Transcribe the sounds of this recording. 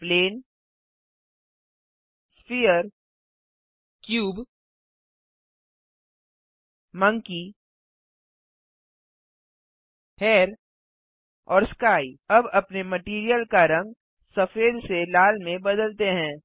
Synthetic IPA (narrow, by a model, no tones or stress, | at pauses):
pleːn | spijəɾ | kjuːb | mə̃ŋki | heːɾ | ɔːɾskaːiɐbɐpnemɐʈiːɾijəlkaɾɐ̃ŋɡ̚ | sɐfeːd̪selaːlmẽbɐd̪əlt̪eɦɛ̃ː